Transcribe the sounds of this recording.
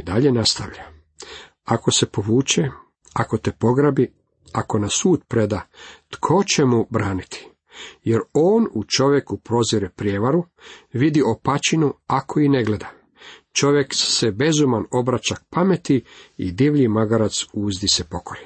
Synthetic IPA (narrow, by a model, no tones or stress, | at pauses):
d̪aʎe̞nast̪aʋʎa | ako̞se̞po̞ʋuːt͡ʃe | ako̞t̪epo̞ɡɾabi | ako̞nasuːt̪pɾe̞d̪at̪kʰo̞t͡ɕe̞mubɾaːnit̪ʰi̥ | je̞ɾo̞ːnut͡ʃo̞ʋje̞kupɾo̞ziɾepɾjeʋaɾu | ʋid̪io̞pat͡ɕinuakʰo̞ineɡle̞d̪a | t͡ʃo̞ʋje̞ksebe̞zumano̞bɾat͡ʃak̚pame̞t̪iḭd̪iʋʎimaɡaɾat̪suːzd̪isepo̞ko̞je